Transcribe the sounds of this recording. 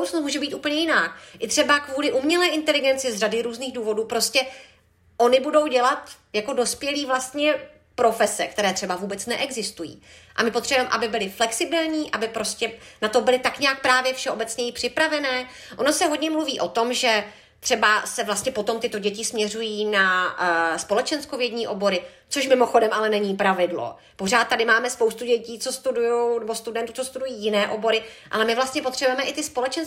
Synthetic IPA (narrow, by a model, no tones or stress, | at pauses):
wt͡snomuːʒɛbiːt̪uːpl̩ɲɛjɪnaːkʔɪt̪r̥ɛbakvuːlɪʔumɲɛlɛːʔɪnt̪ɛlɪɡɛnt͡sɪzradɪɾuːzniːxduːvo̞duːpɾo̞scɛ | ʔo̞nɪbudo̞wɟɛlat̪ | jako̞do̞spjɛliːvlast̪ɲɛ | pɾo̞fɛsɛ̰k̚t̪ɛɾɛːt̪r̥ɛbavuːbɛtt͡snɛʔɛɡzɪst̪ujḭːʔa̰mɪpot̪r̥ɛbuɛmɛʔabɪbɪlɪflɛksɪbɪlɲiːʔabɪpɾo̞scʲɛnat̪obɪlɪt̪akɲɛak̚pɾaːvjɛfʃɛʔo̞bɛt͡sɲɛjɪpr̥ɪpɾavɛnɛː | ʔonosɛɦodɲɛmluviːʔo̞t̪o̞mʒɛ | t̪r̥ɛbasɛvlast̪ɲɛpot̪o̞mt̪ɪt̪o̞ɟɛcɪsmɲɛr̝ujiːna | spo̞lɛt͡ʃɛnskovjɛdɲiːʔo̞bo̞ɾɪ | t͡soʃmɪmo̞xodɛmʔalɛnɛɲiːpɾavɪdlo̞̰ | po̞r̝aːt̪tːadɪmaːmɛspowst̪uɟɛciːt͡so̞st̪udujownɛbo̞st̪udɛnt̪ut͡sost̪udujiːjɪnɛːʔo̞bo̞ɾɪ | ʔa̰lɛmɪvlast̪ɲɛpor̥ɛbujɛmɛʔɪt̪ɪspo̞lɛt͡ʃɛns